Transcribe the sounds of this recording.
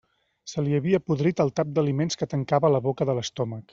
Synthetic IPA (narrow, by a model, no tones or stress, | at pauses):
səliəβiəpuðɾit̪əlˠt̪ap̚d̪əlimenskət̪əŋkaβələβokəðələst̪ɔmək